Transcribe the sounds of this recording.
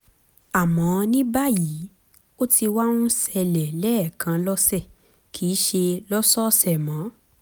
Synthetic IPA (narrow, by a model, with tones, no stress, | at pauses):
a˨mã˨˦nĩ˦ba˦ji˨˦ | o˦tʰi˧wa˦ũ˦sɛ˧lɛ˨lɛ˦˨kã˧lɔ˦sɛ˦˨ | kʰiː˨˦ʃe˧lɔ˦sɔ˦sɛ˦˨mã˨˦